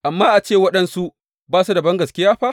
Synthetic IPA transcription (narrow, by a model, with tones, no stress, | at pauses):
ʔa˨mːaː˦ʔa˨t͡ʃeː˦˨wɐ˦ɗɐ˦nsu˦ | baː˦su˦dɐ˨bɐ˦ŋɡɐ˨skʲɪ˦jaː˦ɸaː˦